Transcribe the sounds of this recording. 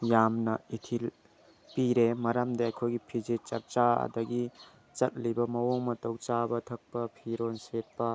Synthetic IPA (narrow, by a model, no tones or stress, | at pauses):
jamnɐitʰil | piɾemɐɾamdɐɐjkʰojɡipʰid͡ʒet͡ʃɐk̚t͡ʃaɐ̰dɐɡi | t͡ʃɐt̚libɐmɐwoŋmɐtɐwt͡ʃabɐtʰɐk̚pɐpʰiɾonset̚pɐ